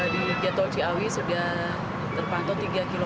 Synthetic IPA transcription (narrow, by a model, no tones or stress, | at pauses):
did͡ʒat̪ɔt͡ʃiawisədiah | t̪ərpant̪ɔt̪iɡakilo